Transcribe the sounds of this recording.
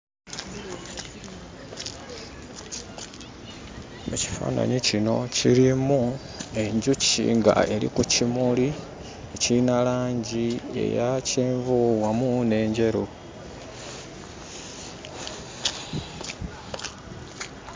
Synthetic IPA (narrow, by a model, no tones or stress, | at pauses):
eci̥fa̰ːna̰ɲicino̞ciɾimu | e̞ɲɟucḭŋɡa̰e̞ɾḭkucimuli | ecinalaːɲɟie̞̰jaciːɱvuwamune̞ːɲɟe̞ɾu